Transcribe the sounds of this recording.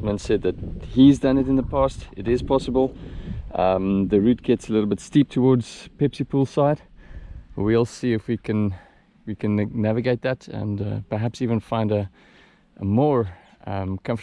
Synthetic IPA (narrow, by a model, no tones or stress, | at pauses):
mə̃nsɛd̪̚ðɨt̚hizdʌ̃nɨɾɨ̃nðəpʰɑstɪɾɪz̥pʰɑsəbəl̩ˠ | ʌ̃mðəɹʉt̚ɡ̥ɛtsəlɪɾl̩ˠbɪtstip̚tʰəwɔɹdz̥pʰɛpsipʰulˠsaɪd̥ | əwiɔlˠsiɪfwikʰɨ̃n | wikʰɨ̃nːævɨɡeɪt̪̚ðɨtə̰̃npə˞ɦæpsivə̃nfãɪ̃ndə | ʔəmɔɹ | mkʰʌ̃ɱf